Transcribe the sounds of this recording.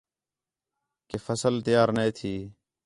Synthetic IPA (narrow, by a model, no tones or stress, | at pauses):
keːfəsəlt̪əjaːɾnẽːt̪ʰiː